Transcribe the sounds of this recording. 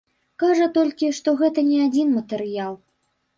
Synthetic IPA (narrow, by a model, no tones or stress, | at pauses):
kaʐɐt̪ɔlʲkʲiʂt̪ɔɣɛt̪ɐnʲɛad͡zʲinmɐt̪ɛɾɨjalˠ